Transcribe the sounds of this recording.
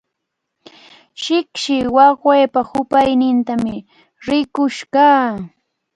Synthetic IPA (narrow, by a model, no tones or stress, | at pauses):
ʃɪkʃɪwɑχweːpahʊpajnɪnt̪amɪ | ɾɪkʊʃkaː